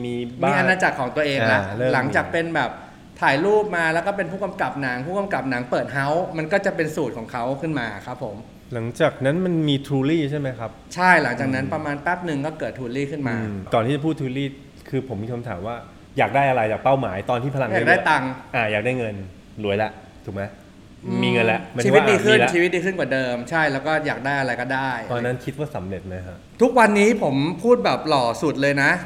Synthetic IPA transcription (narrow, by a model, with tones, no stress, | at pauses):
miː˧mbaiː˧˥˧a˧naː˧t͡ɕa˨˩kʰːɔː˩˦ŋt̪u˧ɐʔeː˧ŋla˦˧˥lːla˩˦ŋt͡ɕaː˨˩k̚pe˧nbɛː˨˩p̚ | t̪ʰaː˨˩˦jluː˥˩p̚maː˧lɛ˦˥wkɔː˥˩p̬e˧npʰuː˥˩ka˧mka˨˩p̚na˩˦ŋpʰuː˥˩ka˧mka˨˩p̚na˩˦ŋpɤː˨˩t̪̚ɦa˦˥wma˧nkɔː˥˩t͡ɕa˨˩pe˧nsuː˨˩t̪̚kʰɔː˩˦ŋkʰa˦˥wkʰɯ˥˩nmaː˧˩kʰɾa˦˥pʰːo˩˦m | la˩˦ŋt͡ɕaː˨˩k̚na˦˥nma˧nmiː˧t̪ʰɾuː˧liː˥˩t͡ɕʰa˥˩ma˦˥jkʰa˦˥p̚t͡ɕʰa˥˩jla˩˦ŋt͡ɕaː˨˩k̚na˦˥npɾa˧maː˧npɛ˦˥˩p̚nɯ˨˩ŋkɔː˥˩kɤː˨˩t̪ʰːuː˧liː˥˩kʰɯ˥˩nmaː˧kɔː˨˩nʰiː˥˩t͡ɕa˨pʰuː˥˩t̪ʰuː˧liː˥˩ | kʰɯː˧pʰo˩˦miː˧kʰa˧mt̪ʰa̰ː˩˦mwaː˥˩ | jaː˨˩k̚daː˥˩jʔa˧ɾa˧jt͡ɕaː˨˩k̚pa˥˩wmaː˩˦jt̪ɔː˧nt̪ʰiː˥˩pʰa˧la˧ŋjaː˨˦k̚daː˥˩jt̪a˧ŋʔaː˨˩jaː˨˩k̚daː˥˩jŋɤ˧n | lu˨˩˦əjlɛ˧˩ʔ | t̪ʰu˨˩k̚ma˦j | miː˧ŋɤ˧nlɛ˦˩ʔma˧niː˧˦˥wt̪̚diː˧kʰɯ˥˩˧t͡ɕʰiː˧wi˦˥t̪̚diː˧kʰɯ˥˩nkwaː˨˩dɤː˧mt͡ɕʰa˥˩jlɛː˦˥wkɔː˥˩jaː˨˩k̚daː˥˩jʔa˧ɾa˧jkɔː˥˩daː˥˩jt̪ɔː˧nːa˦˥nkʰi˦˥t̪̚waː˥˩sa˩˦mɾe˨˩t̪̚ma˦˥jkʰa˦˥t̪ʰu˦˥k̚wa˧nːiː˦˥pʰo˩˦mpʰuː˥˩t̪̚bɛː˨˩p̚lɔː˨˩su˨˩t̪̚lɤː˧jna˦˥